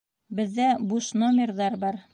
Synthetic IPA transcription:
bɘ̆ðːæbuʃnomʲɪrðɑɾbɑɾ

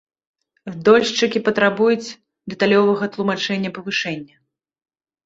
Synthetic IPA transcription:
d̪ɔlʲʂt͡ʂɨkʲipɐt̪ɾabujut͡sʲ | d̪ɛt̪alʲɔvɐɣɐt̪lˠumat͡ʂɛnʲːɐpɐvɨʂɛnʲːɐ

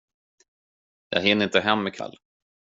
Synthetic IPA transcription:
jɑ̰ːɦɪnəɾɪnt̪əɦɛmːɛkʰa̰lː

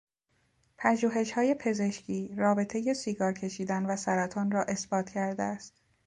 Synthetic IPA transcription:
pʰæʒuːɦe̞ʃhɒːje̞pʰe̞ze̞ʃcʰiːrɒːbe̞t̪ʰe̞je̞siːɡɒːɾcʰe̞ʃiːd̪ænvæsæɾæt̪ʰɒːnrɒːʔe̞sbɒːt̪ʰcʰæɾd̪eæst̪

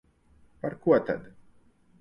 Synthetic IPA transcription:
paɾkuɔt̪a̰d̪

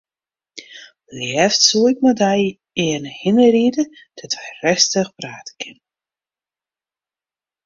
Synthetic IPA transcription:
liɛftsuːɪk̚mədaj | eːnhɪnəɾidə | d̥ɔtvərɛstəxpraːtə̥kʰɪn

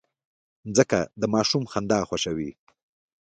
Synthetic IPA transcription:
d͡zəkad̪əmɑːʃumxand̪ɑxwaʃawi

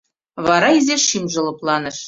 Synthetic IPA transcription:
βɑɾɑizʲeʃimʒɤ̆lˠɤ̆plˠɑnɤ̆ʃ

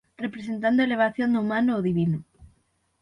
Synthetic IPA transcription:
repɾesent̪̬and̪oeleβ̞aθjond̪uumãnoːðiβino

